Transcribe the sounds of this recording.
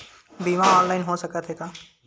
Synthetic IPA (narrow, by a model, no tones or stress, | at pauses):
biːʋãɔːnlaːɪnɦosɐkət̪ɦeːɡaː